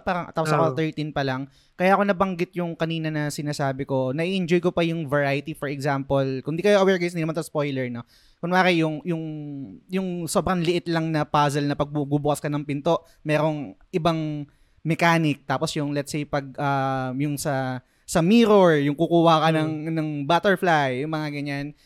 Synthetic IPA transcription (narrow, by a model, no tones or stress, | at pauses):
paːɾɐŋt̪aposɐkwt̪ɛɹt̪inpɐlɐŋ | kɐjaːʔko̞nɐbɐŋɡɪt̪̚jʊŋkɐniːnɐnɐsɪnaːsaːbɪko̞nɐʔiʔɛnd͡ʒojkopɐjʊŋvɐɹaːjɪt̪ifɔɹɛɡzampolkʊnd̪iːkɐjoʔɐwɛɹɡɐsɪninmansɐspo̞jlɛɹno̞ | kʊŋmaːkɐjʊŋjʊŋjʊŋso̞ːbɾɐŋlɪʔɪt̪lɐŋnɐpaːzɛlnɐpɐɡ̚bububʊkɐskɐnɐŋpɪnt̪o̞ʔ | mɛːɾo̞ŋʔɪbaŋ | mɛkaːnɪk̚t̪aːposjʊŋlɛt̪sejpɐɡ̚ʔɐmjʊŋsɐ | sɐmiːɾoɹjʊŋkukuːhɐkɐnɐŋnɐŋbaːt̪ɛɹflajːʊŋmɐŋaɡɐɲːan